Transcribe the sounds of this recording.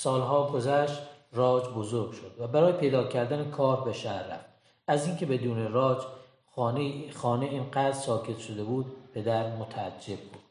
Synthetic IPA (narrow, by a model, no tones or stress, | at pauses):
sɒːlɦɒːɡozæʃt̪rɒːd͡ʒbozoɾɡʲʃo̞d̪̥væbæɾɒːjepʰe̞jd̪ɒːcʰæɾd̪ænekʰɒːɾbeʃæɾːæ̰ft̪ | æziːŋcʰe̞be̞d̪uːnerɒːd͡ʒ | nxɒːneinɢæːd̪ɾsɒːcʰe̞t̪ʃod̪e̞buːd̪pʰe̞d̪æɾmot̪ʰæːd͡ʒːe̞b̚ːuːd̪̥